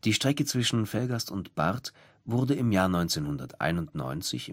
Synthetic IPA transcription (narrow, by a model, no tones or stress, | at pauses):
d̥iːʃtʁ̥ɛkət͡sv̥ɪʃn̩fɛlɡastʊntb̥a̰ʁt | vʊʁdəɪmjaːɐnɔʏnt͡senhʊndɐtʔa̰ɪnʊntnɔ̰ʏnt͡sɪ̰çɪ